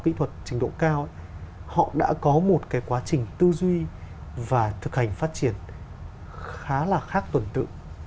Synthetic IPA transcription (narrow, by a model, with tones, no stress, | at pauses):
kḭ˧˥t̪ʰwə˨˩t̚t͡ɕi˨˦ŋ̟ɗo̰˧˨kaː˧wʔhɔ̰˧˨ɗa̰ː˧˥kɔ˨˦mo˨˩t̚kaː˨˦jkwaː˨˦t͡ɕï˨˩ŋ̟t̪ɨ˧zwi˧vaː˨˩t̪ʰɨ˨˩k̚ha˨˩jŋ̟faː˦˥t̚t͡ɕi˧˩ən | xaː˨˦laː˨˩xaː˦˥k̚t̪wə˨˩nt̪ɨ̰˧˨